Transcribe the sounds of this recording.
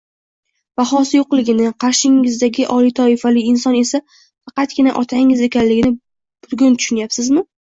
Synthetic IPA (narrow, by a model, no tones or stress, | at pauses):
b̥aχɒsɪjoqlˠɪɡʲɪnɪqʰɑɾʃɪŋɪzd̪aɡʲɪʔɒlit̪ʰɒɪfalɪːnsɒne̞sa | fɑqɑt̪̚ɡʲɪnaʔɒt̪ʰaɪŋɪze̞kʲʰanlɪɡʲɪnɪ | b̥ʊɾɡʲʊnt̪ʰʊ̥ʃʊnjapsɪzmɪ